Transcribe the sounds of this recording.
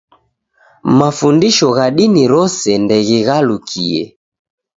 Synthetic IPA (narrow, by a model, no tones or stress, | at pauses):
mafundiʃɔɣaɗiniɾɔsɛndɛɣiɣalukʰiɛ̰